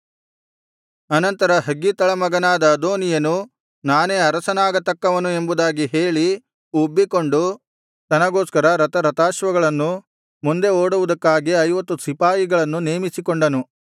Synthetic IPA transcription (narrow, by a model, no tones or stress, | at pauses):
ɐnɐnt̪ɐɾɐɦɐɡːit̪ɐɭɐmɐɡɐnaːd̪ɐːd̪oːnijɐnu | naːneːɐɾɐsɐnaːɡɐt̪ɐkːɐʋɐnue̞mbud̪aːɡiɦe̞ːɭi | ubːiko̞ɳɖu | t̪ɐnɐɡoːskɐɾɐɾɐt̪ɐɾɐt̪aːʃʋɐɡɐɭɐnːu | mund̪e̞oːɽuʋud̪ɐkːaːɡiɐjʋɐt̪ːusipaːjiɡɐɭɐnːuneːmisikoɳɖɐnu